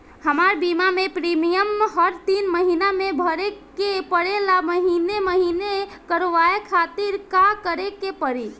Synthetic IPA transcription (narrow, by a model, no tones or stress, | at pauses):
həmaɾbimamepɾimijəmɦəɾt̪inməɦinamebʱəɾekː | epəɽelaməɦineməɦinekəɾʋaekʰat̪iɾkakəɾekepəɾi